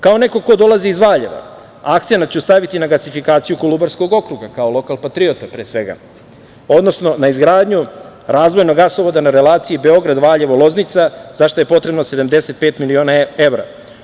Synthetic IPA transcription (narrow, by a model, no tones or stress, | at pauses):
kaone̞ko̞ko̞d̪o̞lˠaziːzʋaːʎe̞ʋa̰ | akt̪senatt͡ɕust̪aʋit̪inaɡasifikaːt̪sijukolˠubaɾsko̞ɡo̞kɾuɡakao̞lo̞kalˠpat̪ɾiot̪apɾeːsʋe̞ɡa̰ | o̞d̪no̞sno̞naizɡɾaːd̪ɲuɾaːzʋo̞jno̞ɡasoʋod̪anaɾe̞lˠaːt̪siibe̞o̞ɡɾad̪ʋaːʎeʋolˠo̞znit̪saz̥aʃt̪o̞je̞po̞t̪ɾe̞bnose̞d̪amd̪e̞se̞t̪̚peːt̪milio̞ːnae̞ʋɾa̰